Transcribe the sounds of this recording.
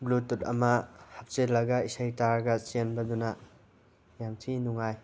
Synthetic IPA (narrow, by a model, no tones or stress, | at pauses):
blutːutɐ̰mɐhap̚t͡ʃelɐɡaisajtaɾɡɐt͡ʃenbɐdunɐ | jamtʰinuŋaj